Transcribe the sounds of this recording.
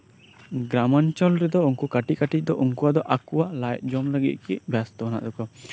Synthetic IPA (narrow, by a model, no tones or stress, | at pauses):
ɡɾamant͡ʃɔlɾɛd̪ɔuŋkukaʈikaʈic̚ˀd̪ɔʔuŋkuwad̪ɔʔakuwalajt̪̚ˀd͡ʒɔmləɡḭt̪̚ˀkibjast̪ɔɦɔna̰ʔd̪ɔkɔ